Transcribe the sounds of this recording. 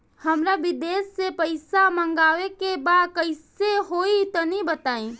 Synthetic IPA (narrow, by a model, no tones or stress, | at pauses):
həmɾabɪd̪eːsːepəɪsamə̃ŋɡaːʋekebaːd̪kəɪseɦoːit̪ɐnibət̪aːĩ